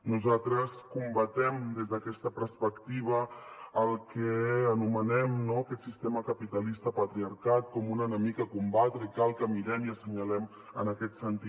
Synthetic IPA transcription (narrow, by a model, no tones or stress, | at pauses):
nuzat̪ɾəskumbət̪ɛmd̪ezðəkɛst̪əpəɾspəkt̪iβ̞əːlˠkɛːnumənɛmnoəkɛt̪sist̪eməkəpit̪əlist̪əpət̪ɾiaɾkat̪̚kɔmunənəmikəkumbat̪ɾəikalˠkəmiɾɛmiəsəɲəlɛm | ə̰nəkɛt̪sənt̪i